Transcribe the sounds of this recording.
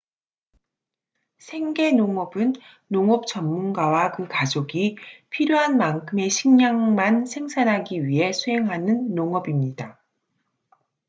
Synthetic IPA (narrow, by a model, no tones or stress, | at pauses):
sʰe̞ŋɡe̞noŋʌbɯnː | oŋʌp̚t͡ɕʌmːunɡawakɯkad͡ʑoɡipʰiɾjoɦanmankʰɯme̞ɕʰiŋɲaŋmansʰe̞ŋsʰanɦaɡiɥiɦe̞sʰuɦe̞ŋɦanɯnːoŋʌbimɲida